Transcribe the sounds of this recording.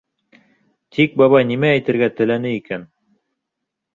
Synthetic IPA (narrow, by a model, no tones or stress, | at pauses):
t̪ʰik̚bɑβɑjnimæːjt̪ɘ̆ɾɡæt̪ɘ̆lænɘikæn